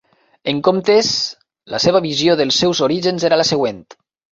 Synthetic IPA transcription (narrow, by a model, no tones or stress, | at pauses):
eŋkomt̪es | lə̰seβaβizjoðəlˠsːɛwzoɾiʒənzeɾaləseɣ̞went̪